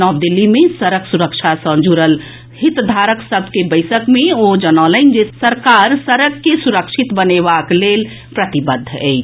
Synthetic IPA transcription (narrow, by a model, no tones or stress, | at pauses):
ɔb̚d̪ilːimesəɾəksuɾəkt͡ʃʰasə̃nd͡ʒuɾəl | hit̪d̪ʱaɾəksəbʱkebəɪsəkmeod͡ʒənɔləɪnd͡ʒesəɾkaɾsəɾəɡːesuɾəkʃʰit̪bənebaklel | pɾət̪ibəd̪ʱːḛɪt͡ʃʰ